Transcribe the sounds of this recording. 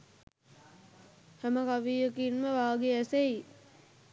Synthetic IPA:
hæməkaʋiːjəkinməʋaːɡeæseji

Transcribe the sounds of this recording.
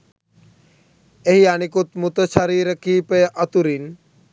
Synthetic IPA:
eɦianikut̪mut̪ət͡ɕʰaɾiɾəkʰipeʔat̪uɾin

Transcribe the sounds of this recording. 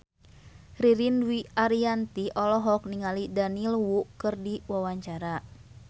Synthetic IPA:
riɾinwiaɾiant̪iʔɔlɔɦɔk̚niŋalidanilwuʔkɨrdiwawaɲt͡ʃaɾa

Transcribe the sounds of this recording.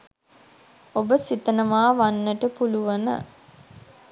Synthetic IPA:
obəsit̪ənəmaːʋanːəʈəpuluʋɐnə̰

